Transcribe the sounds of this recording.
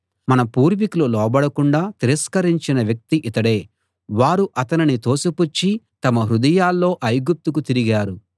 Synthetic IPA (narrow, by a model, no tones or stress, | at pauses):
mɐnɐpuːɾʋikululɔːbɐɽɐkuɳɖaːt̪iɾɐskɐɾiɲt͡ʃinɐʋjɐk̚t̪iʔit̪ɐɽe̞ː | ʋaːɾuʔɐt̪ɐninit̪o̞ːsuput͡ʃːi | t̪ɐmɐɦɾud̪ɐjaːlːo̞ːʔɐjɡup̚t̪ukut̪iɾiɡaːɾu